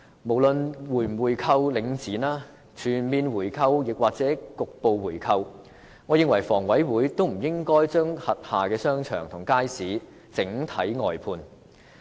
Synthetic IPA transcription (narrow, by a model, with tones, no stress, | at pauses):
mo˨˩wlɵ˨˧nwuː˨˩jwuː˨jkʰɐ˧wlɪ˨˧ŋt͡siː˨˥naː˥ | t͡ʃʰyː˨˩nmiː˧nwuː˨˩jkʰɐ˧wjɪ˨k̚waː˨k̚t͡sɛː˨˥kʊ˨k̚po˨˧wwuː˨˩jkʰɐ˧w | ŋɔː˨˧jɪ˧ŋwɐ˨˩jfɔː˨˩ŋwɐ˨˥jwuː˨˥jt̪o˥wm̩˨˩jɪ˥ŋkɔː˥jt͡ʃœː˥ŋhɐ˨t̚haː˨kɛː˧sœː˥ŋt͡ʃʰœ̰ː˨˩ŋt̪ʰʊ˨˩ŋkaː˥jsiː˨˥ | t͡sɪ˨˥ŋt̪ʰɐ˨˥jŋɔː˨jpʰuː˧n